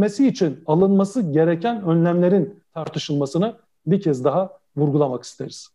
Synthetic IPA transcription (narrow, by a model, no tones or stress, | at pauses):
mesiːt͡ʃʰinalˠɯnmasɯɟe̞ɾecʰænønlʲæmlʲe̞ɾint̪ʰaɾt̪ʰɯʃɯlˠmasɯnɯ | biɾcʰɛzd̪aɦa | vuɾɡulˠamaki̥st̪ʰe̞ɾiz̥